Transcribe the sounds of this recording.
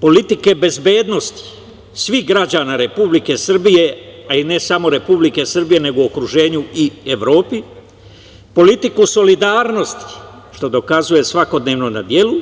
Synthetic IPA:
po̞lit̪ike̞be̞zbe̞ːd̪no̞st̪i̥ | sʋiɦɡɾad͡ʑaːnaɾe̞publike̞sr̩bije̞aine̞samo̞ɾe̞publike̞sr̩bije̞ne̞ɡookɾuʒe̞ːɲuieʋɾo̞ːpi | po̞lit̪ikuso̞lid̪aːɾno̞st̪i̥ | ʃt̪o̞d̪o̞kazuje̞sʋako̞d̪ne̞ːʋnona̰d̪je̞lu

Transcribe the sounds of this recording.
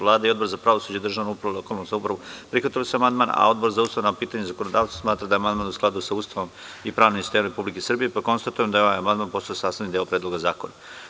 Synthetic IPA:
lˠaːd̪aio̞d̪bo̞ɾzapɾaʋosud͡ʑeid̪rʒaːʋnoupɾaolokaːlˠnoszaupɾaʋopɾixʋat̪ilosuamand̪maːna̰o̞d̪bo̞ɾzaust̪aʋnapiːt̪aɲezakonod̪aːʋt̪asmaːt̪ɾad̪ajemand̪maːnusklˠad̪usaust̪aʋo̞mipɾaːʋnimsi̥st̪emɾe̞publikesrbijepako̞nst̪at̪ujemd̪aeoajamand̪maːnpo̞st̪ojosaːst̪aʋnid̪eopɾeːd̪lo̞ɡazaːko̞na

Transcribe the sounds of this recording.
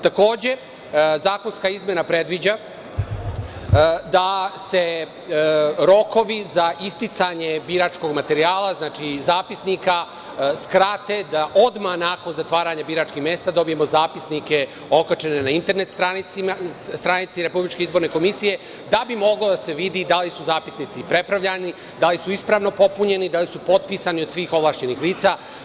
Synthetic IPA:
t̪ako̞ːd͡ʑe̞ | zaːko̞nskaizmʲje̞napɾe̞d̪ʋid͡ʑa | d̪ase̞ | ɾo̞ko̞ʋizaʔist̪it̪saɲe̞biɾaːt͡ʃko̞ɡmat̪e̞ɾiaːlˠaznaːt͡ʃizaːpisnika | skɾat̪ed̪aʔo̞d̪manaːko̞nzat̪ʋaːɾaɲabiɾaːt͡ʃkixmje̞ːst̪ad̪o̞bije̞mo̞zaːpisnike̞ | o̞kat͡ʃe̞nenaint̪e̞ɾne̞t̪st̪ɾaniist̪ɾanit̪siɾe̞publit͡ʃke̞izbo̞ɾne̞ko̞misije̞ | d̪abimo̞ɡlod̪ase̞ʋid̪id̪alisuzaːpi̥snit̪sipɾe̞pɾaʋʎani | d̪alisuispɾaːʋno̞po̞puɲe̞nid̪alisupo̞t̪̚piːsanio̞d̪sʋiːxo̞ʋlaːʃɲe̞nixliːt̪saː

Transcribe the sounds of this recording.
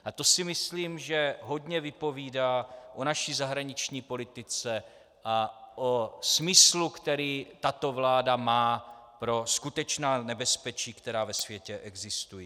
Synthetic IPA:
ʔat̪o̞sɪmɪsliːmʒɛɦo̞dɲɛvɪpo̞viːdaːʔo̞naʃizaɦɾaɲɪt͡ʃɲiːpo̞lɪt̪ɪt͡sɛ | ʔaʔosmɪslukt̪ɛɾiːt̪at̪o̞vlaːdamaːpɾo̞skut̪ɛt͡ʃnaːnɛbɛspɛt͡ʃiːkt̪ɛɾaːvɛsvjɛcɛʔɛɡzɪst̪uji

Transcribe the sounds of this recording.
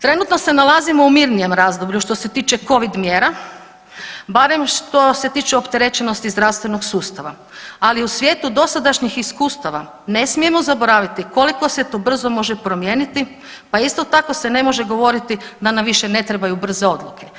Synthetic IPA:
t̪ɾe̞nut̪no̞se̞nalˠazimo̞umiɾnije̞mɾazd̪o̞bʎuʃt̪o̞se̞t̪iːt͡ʃeko̞ʋid̪mjeːɾa | baɾe̞mʃt̪o̞se̞t̪iːt͡ʃeopt̪e̞ɾe̞t͡ʃeno̞st̪izd̪ɾaʋst̪ʋe̞noɡsuːst̪aʋa̰ | aliusʋje̞ːt̪ud̪o̞sad̪aʃɲixiskuːst̪aʋa | ne̞smije̞mo̞zabo̞ɾaːʋit̪iko̞liko̞set̪obr̩zo̞mo̞ʒepɾo̞mjeːnit̪i | paist̪o̞t̪ako̞se̞ne̞mo̞ʒe̞ɡo̞ʋo̞ɾit̪id̪anamʋiʃene̞t̪ɾebajubr̩ze̞o̞d̪lukʰe

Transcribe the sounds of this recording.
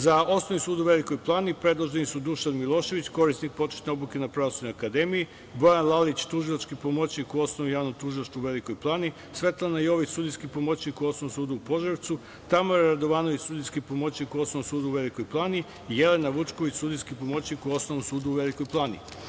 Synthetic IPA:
zao̞snoʋnisuːd̪uʋe̞liko̞jplˠaːnipɾe̞d̪lˠoʒd̪enisud̪uʃanmilˠo̞ːʃe̞ʋit͡ɕko̞ɾisnik̚po̞t͡ʃe̥t̪neoblukenapɾaosud̪nojakad̪emiji | bo̞janlˠalit͡ɕt̪uʒilˠat͡ʃkipomot͡ɕɲikuo̞snoʋnojaːʋnomt̪uʒilˠaʃt̪uuʋe̞liko̞jplˠaːni | sʋe̞t̪lˠanaio̞ʋisud̪ijskipo̞mot͡ɕɲikuosnoomsuːd̪uupo̞ʒeʋt̪su | t̪amoɾaɾad̪oʋaːno̞ʋit͡ɕsud̪ijskipo̞mo̞t͡ɕɲikuosnoomsuːd̪uːʋeliko̞jplˠaːni | jele̞naʋut͡ʃkoʋit͡ɕsuːd̪ijskipomo̞t͡ɕɲikuo̞snoʋomsuːd̪uʋe̞likojplˠaːnḭ

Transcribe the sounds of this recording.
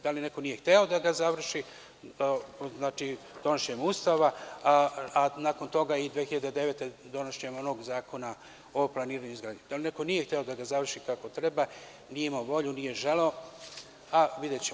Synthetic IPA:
d̪̥aline̞ko̞nije̞xt̪eo̞d̪aɡazaʋr̩ʃi | znaːt͡ʃi | d̪̥o̞noʃɲemuːst̪aʋaaanaːko̞nt̪o̞ɡaid̪ʋeːxiʎad̪e̞d̪e̞ʋet̪e̞d̪o̞noʃɲemo̞no̞ɡzaːko̞na | oplˠaniːɾaɲuizɡɾaːd̪ɲid̪aline̞ko̞nije̞xt̪eo̞d̪aɡazaʋr̩ʃikako̞t̪ɾe̞ba | niimaʋo̞ʎunije̞ʒe̞leo̞ | aʋid̪jet͡ɕe

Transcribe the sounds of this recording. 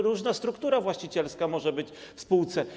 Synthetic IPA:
ɾuʐnast̪ɾukt̪uɾavwaɕt͡ɕit͡ɕɛlskamɔʐɛbɘt͡ɕfspuwt̪sɛ

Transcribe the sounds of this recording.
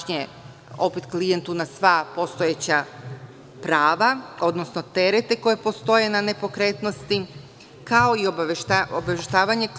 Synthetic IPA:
ɲe | o̞pet̪klijent̪unasʋapo̞st̪o̞jet͡ɕa | pɾaːʋao̞d̪nosno̞t̪e̞ɾet̪e̞ko̞je̞po̞st̪o̞je̞nane̞po̞kɾe̞t̪no̞st̪i | kao̞iobtaobeʃt̪aːʋaɲe

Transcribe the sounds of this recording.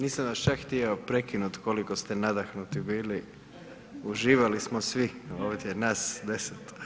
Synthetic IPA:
niːsamʋast͡ʃakxt̪ijeopɾekinut̪kolikost̪enad̪axnut̪ibiːli | uʒiːʋalismosʋioːd̪ʲenasd̪eset̪

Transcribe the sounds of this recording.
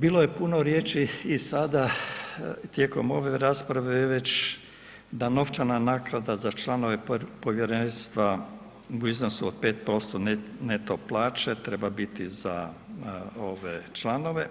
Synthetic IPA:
biːlo̞je̞puno̞ɾjeːt͡ʃiːsad̪a | t̪je̞ːko̞mo̞ʋe̞ɾaːspɾaʋejʋe̞t͡ʃ | d̪ano̞ft͡ʃananakɾad̪azat͡ʃlˠano̞ʋe̞po̞ʋjeɾenst̪ʋa | uiznosuod̪̚pe̞ːt̪̚pɾo̞st̪onnet̪oplˠaːt͡ʃet̪ɾe̞babit̪iza | o̞ʋet͡ʃlano̞ʋe̞

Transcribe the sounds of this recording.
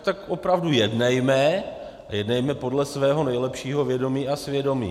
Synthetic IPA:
t̪akʔo̞pɾavdujɛdnɛjmɛ | jɛdnɛjmɛpodlɛsvɛːɦo̞nɛjlɛpʃiːɦo̞vjɛdo̞miːʔasvjɛdo̞mḭː

